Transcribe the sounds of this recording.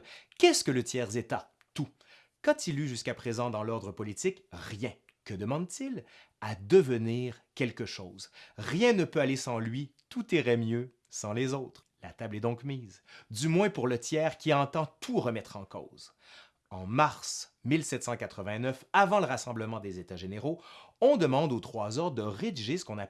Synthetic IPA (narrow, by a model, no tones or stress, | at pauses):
kʲɛskələt̪jɛːʁzet̪a | t̪u | kɑ̃t̪ʰilyʒyskapχezɑ̃d̪ɑ̃lɔʁd̪ʁəpɔlit̪ikʁjɛ̃ | kəd̪əmɑ̃d̪̚t̪ilad̪əvəniːʁkʲɛlkəʃoːzʁjɛ̃nəpøalesɑ̃lɥit̪ut̪iʁɛmjø | sɑ̃lezot̪χ | lat̪ablɛd̪ɔ̃kmiːzd̪ymwɛ̃puʁlət̪jɛːʁkʲiɑ̃t̪ɑ̃t̪ʰuʁəmɛt̪χɑ̃ko̰ːz̥ | ɑ̃maʁsmilsɛt̪sɑ̃kat̪χəvɛ̃nœfavɑ̃ləʁasɑ̃bləmɑ̃d̪ezet̪aʒeneʁoɔ̃d̪əmɑ̃d̪ot̪χwazɔʁd̪əʁed̪iʒesə̥kɔ̃na